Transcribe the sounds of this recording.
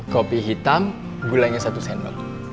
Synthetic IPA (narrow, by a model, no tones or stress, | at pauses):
kɔpiɦit̪am | ɡulaŋesat̪usɛnɔ̰